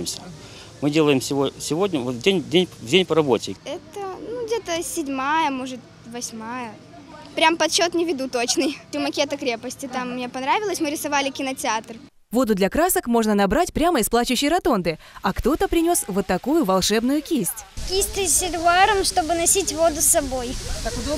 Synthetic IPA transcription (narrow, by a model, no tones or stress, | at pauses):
ɪmsʲə̥ | mɨdʲelˠəjɪmsʲɪvosʲɪvodʲnʲəvot̪vdʲenʲdʲenʲvdʲenʲpəɾɐbo̞tʲɪ̰ɛt̪ənuɡdʲe̞t̪əsʲɪdʲmajəmo̞ʐɨt̪ʲ | vɐsʲmajə | pɾʲampɐt̪ɕo̞t̪nʲɪvʲɪd̪ut̪o̞t͡ɕnɨjt̪ʲʊmɐkʲet̪əkɾʲepəsʲtʲɪt̪amːnʲepɐnɾavʲɪlˠəsʲmɨɾʲɪsɐvalʲɪkʲɪnətʲɪat̪r | vo̞d̪ʊd̪lʲɐkɾasəkmo̞ʐnənɐbɾatʲpɾʲaməɪsplˠat͡ɕʊɕːɪjɾɐt̪o̞nd̪ɨ | ɐkt̪o̞t̪əpɾʲɪnʲo̞svot̪ːɐkujʊvɐlˠʂɛbnʊjʊkʲisʲtʲkʲisʲtʲɪsʲɪt̪ʊaɾəmʂt̪o̞bɨnɐsʲitʲvo̞d̪ʊsːɐbo̞j̪